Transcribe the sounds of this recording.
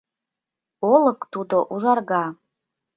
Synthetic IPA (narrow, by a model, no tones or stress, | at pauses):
oləkʼtʰudoʔuzarɡa